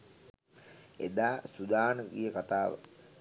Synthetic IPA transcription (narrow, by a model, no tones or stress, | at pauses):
ḛd̪aːsud̪aːnəɡijəkat̪aːʋə̰